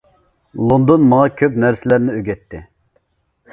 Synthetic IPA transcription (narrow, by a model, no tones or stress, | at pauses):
lˠond̪onmɑŋɑkʲʰøpnæɾsɪlæɾnɪøɡʲɛt̪ʰːɪ